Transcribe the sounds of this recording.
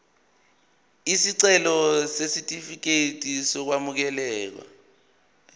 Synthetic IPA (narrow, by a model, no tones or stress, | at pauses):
isiǀɛlɔsesitʼifik̬etʼisɔk̬wamuk̬ɛlɛːk̬wa̰